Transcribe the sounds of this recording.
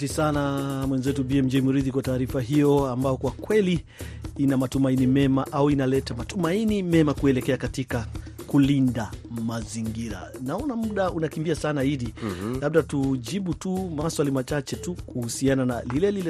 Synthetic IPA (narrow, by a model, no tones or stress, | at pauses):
tisanamwɛnzɛtubiɛm̩d͡ʒɛimuɾiðikwataːɾifaɦijɔambajɔkwakwɛliinamatumainimɛmaʔauinalɛtamatumainimɛmakuɛlɛkɛakatikakulindamaziŋɡiɾa̰naɔnamuɗaunakimbiasanaiɗilaɓ̚ɗatud͡ʒiɓutumaswalimat͡ʃat͡ʃɛtukuhusianana̰lilɛlilɛ